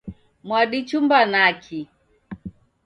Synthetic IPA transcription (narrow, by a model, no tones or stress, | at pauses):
mwaɗit͡ʃumbanakʰi